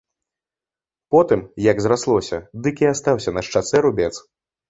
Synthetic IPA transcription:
pɔt̪ɨmjɐɡzɾaslˠɔsʲɐ̰d̪ɨkʲiast̪awsʲɐnɐʂt͡ʂat̪sɛɾubʲɛt̪s

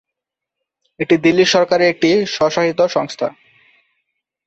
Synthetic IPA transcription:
eʈid̪ilːiʃɔɾkaɾeek̚ʈiʃɔʃaɦit̪oʃɔŋst̪ʰa

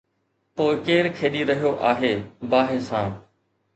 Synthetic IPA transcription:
poːɪkeːɾkʰeːɗiɾɐɦijoʔaːɦeːbaːɦeːsãː

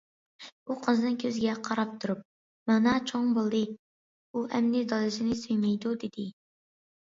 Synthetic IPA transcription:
uqʰəzɨnɨnkʲʰøzɡʲɛqʰɑɾɑp̚t̪ʰuɾup̚ | mɑnɑt͡ʃʰoŋbolˠd̪ɨ | uʔɛmnɪd̪ɑlˠɨʃɪnɪsøjmɛjd̪ud̪ɪd̪ɪ

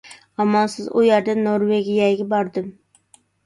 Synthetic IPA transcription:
ɑmːɑnsɪzʊ̰jɛɾd̪anːoɾweɡʲijaɡʲɪbɒɾd̪ɪm

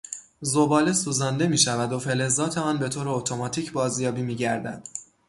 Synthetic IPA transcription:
zobɒːle̞suːzɒnd̪e̞miːʃævæd̪o̞fe̞le̞zɒːt̪ʰeɒːnbe̞t̪ʰoːɾeot̪ʰo̞mɒːt̪ʰiːcʰbɒːzjɒːbiːmiːɟæɾd̪æ̰d̪̥

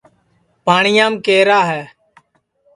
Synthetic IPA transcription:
paːɳɪjãːmkeːɾaːɦɛː

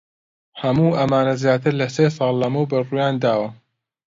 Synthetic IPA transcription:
hɐmuːʔɐmaːnɐzjaːt̪ʰɨɾlɐseːsˤɑːlˠːɐmuwbɐrujaːnd̪aːwɐ

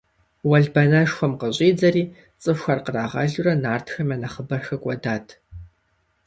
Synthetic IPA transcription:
wɐɮbɐnɐʃxʷɔmqəɕʼiːd͡zɐɾiː | t͡sʼɨfxʷɐrqəraːʁɐ̰ɮurɐnaːrtʰxɐmɐnɐχəbɐxɐkʷʼɔdaːtʰ

